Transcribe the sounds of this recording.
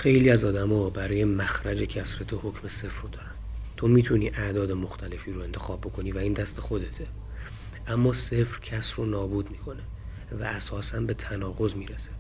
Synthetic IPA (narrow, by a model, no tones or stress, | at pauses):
xe̞jliːæzɒːd̪æmɒːbæɾɒːje̞mæxɾæd͡ʒe̞cʰæsɾe̞t̪ʰoho̞cʰme̞se̞fɾod̪ɒːɾænt̪ʰo̞miːt̪ʰuniːʔæʔd̪ɒːd̪e̞moxt̪ʰæle̞fiːɾoe̞nt̪ʰe̞xɒːb̚ːo̞kʰo̞niːvæiːnd̪æst̪e̞xo̞d̪e̞t̪ʰe | ʔæmːɒːse̞fɾcʰæsɾonɒːbuːd̪miːkʰo̞ne | væ̰æsɒːsænbe̞t̪ʰænɒːɣo̞zmiːɾese̥